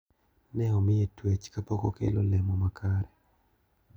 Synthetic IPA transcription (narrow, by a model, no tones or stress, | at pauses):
nɛɔmɪetwet͡ʃkapokokḛlo̰lɛmɔmakʰaɾɛ